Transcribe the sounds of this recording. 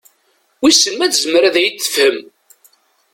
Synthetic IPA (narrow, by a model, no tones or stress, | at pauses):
wisəmːæθzməɾæðæjəːə̥fhəm